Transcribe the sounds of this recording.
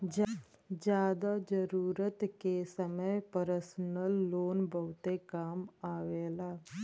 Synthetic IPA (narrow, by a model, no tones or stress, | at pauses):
d͡ʒ | d͡ʒjaːd̪ad͡ʒəɾuːɾət̪kesəməjpəɾsnəlːoːnbəʊt̪ekaːmaːʋeːlaː